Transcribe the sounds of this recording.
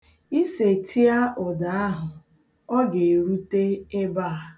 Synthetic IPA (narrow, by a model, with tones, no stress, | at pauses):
i˦se˨tʰi˦a˦ʔʊ˨da˨a˦ɦʊ˨ | ɔ˦ɡe˨ɾu˦te˦e˦ba˦˨a˨